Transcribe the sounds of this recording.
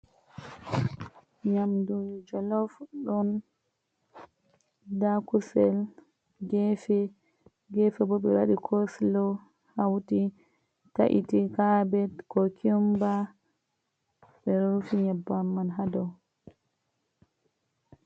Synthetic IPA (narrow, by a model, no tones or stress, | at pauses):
ɲamdujud͡ʒɔlɔfɗɔn | dakusɛl | ɡɛfɛ | ɡɛfɛbɔɓɛwa̰ɗikʰoslɔ | hawti | taʔḭtikabɛtkɔkʰimba | ɓɛɾɔɾufiɲabːamːanɦadɔ